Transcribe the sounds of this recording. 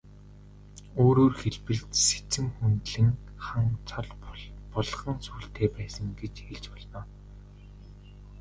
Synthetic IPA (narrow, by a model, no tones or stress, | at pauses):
oːɾoːrxeɮpɘ̆ɮt̪se̥t͡sɘ̆mxunt̪ɮɘ̆n | χaŋt͡sʰɔɮpɔɮχə̆ŋsuːɬt̪ʰeːpæːsə̆ŋɡet͡ɕxeɮt͡ɕpɔɮnɔː